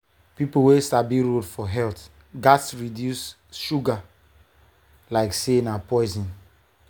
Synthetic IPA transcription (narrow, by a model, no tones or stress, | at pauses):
pipowesabiɹodfɔɦɛlt | ɡatsɹidjus | ʃuɡa | laɪksenapɔɪzĩn